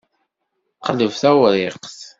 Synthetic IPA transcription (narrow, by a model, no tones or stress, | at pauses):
qələvθæwɾɪqθ